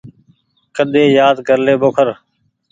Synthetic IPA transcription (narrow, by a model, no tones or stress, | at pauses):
kəɗ̪eːjaːd̪ɡʱəɾleːboːkʰəɾ